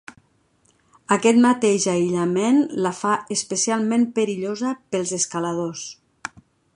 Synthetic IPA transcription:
akɛt̪mat̪eʒaiʎamenlafaəspəsialˠmẽmpəɾiʎozəpəlˠzeskalað̞os

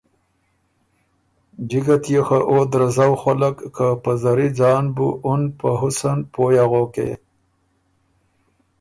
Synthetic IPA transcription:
d͡ʒiɡat̪jexaʔoːd̪ɾazawxalakːapazaɾid͡zɑːnbṵʔʊnpaɦʊsanpojaɣokḛ

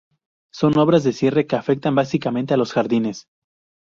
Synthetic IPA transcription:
so̞no̞β̞ɾazðesje̞re̞keafe̞k̚t̪ambasikament̪e̞alo̞sxaɾðine̞s

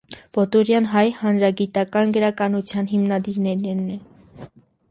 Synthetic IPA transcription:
pɔt̪uɾjɑnɦɑjhɑnɾɑɡit̪ɑkɑnɡəɾɑkɑnut͡sʰjɑnɦimnɑd̪iɾnɛɾɛɾnɛ

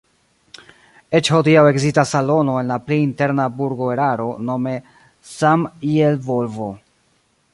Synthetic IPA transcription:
e̞t͡ʃho̞diawe̞ɡzistasːalo̞no̞e̞nlapleinte̞ɾnabuɾɡo̞eɾaɾo̞no̞me̞ | samielvo̞lvo̞

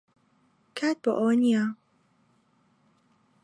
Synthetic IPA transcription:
kʰaːt̪̚bo̰ʔownija

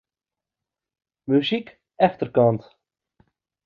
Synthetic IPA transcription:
myzik | ɛxtərkɑnt

